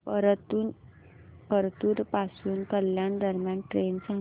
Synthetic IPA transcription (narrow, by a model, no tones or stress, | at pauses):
pəɾt̪u | pəɾt̪uːɾpasuːnkəljand̪əɾmjanʈɾensã